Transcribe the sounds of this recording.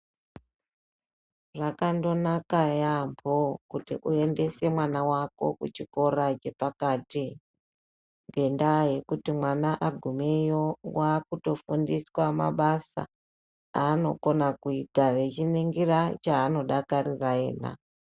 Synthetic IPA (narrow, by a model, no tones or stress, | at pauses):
ʐakando̞nakajambokutḭʔue̞nde̞se̞mwanawako̞̰kut͡ʃiko̞ɾad͡ʒe̞pakaːti | ŋɡe̞ndaje̞kutimwanaʔaɡʱumejowakuto̞fundiswama̰ɓasa̰ | aːno̞̰ko̞nakuitaʋe̞t͡ʃineŋɡiɾat͡ʃaːno̞ɗakariraḛːna̰